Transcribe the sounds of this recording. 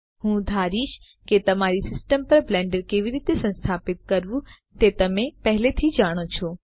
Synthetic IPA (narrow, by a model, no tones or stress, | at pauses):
ɦũːd̪ʱaːɾiːʃ | ket̪ɐmaːɾisɪsʈəmpɐɾblɛ̃ːɳɖəɾkeːʋiɾiːt̪esɐ̃nst̪ʰaːpɪt̪̚kɐɾʋũ | t̪eːt̪ɐmẽpɐɦɪlet̪ʰid͡ʑaːɽ̃ot͡ʃʰoː